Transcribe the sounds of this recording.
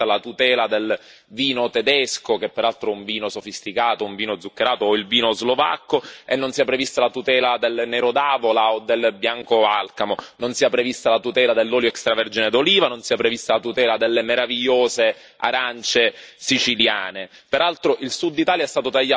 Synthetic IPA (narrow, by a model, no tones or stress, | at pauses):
alat̪ut̪ɛːlad̪el | viːnot̪ed̪ɛskok̟epːeɾalt̪ɾoɛuɱviːnosofist̪ikaːt̪ouɱviːnod̪zːukːeɾaːt̪oilviːnozlova̰kːoenːonsiapːɾevist̪alat̪ut̪ɛːlad̪elneɾod̪aːvolaod̪ːelbjaŋkoalkamononsiːapːɾevist̪alat̪ut̪ɛːlad̪elːɔːljoɛkst̪ɾavɛrd͡ʒined̪oliːvanonsiapːɾevist̪alat̪ut̪ɛːlad̪elːemeɾaviʎːoːze | a̰ɾant͡ʃesit͡ʃiljaːne | peɾalt̪ɾoʔilsud̪ːit̪aːljaɛst̪aːt̪ot̪aʎːa